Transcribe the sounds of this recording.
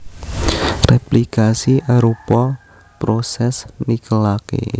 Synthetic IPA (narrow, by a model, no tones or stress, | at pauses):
replikasiʔaɾupɔ | pɾosɛsnikəlakḛ